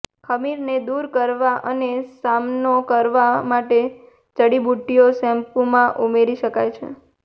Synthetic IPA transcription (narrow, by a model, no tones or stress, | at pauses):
kʰəmiɾned̪uɾkəɾʋaʔənesamnokəɾʋamaʈe | t͡ʃəɽibuʈːijosɛ̃mpumãʔumeɾiʃəkajt͡ʃʰḛ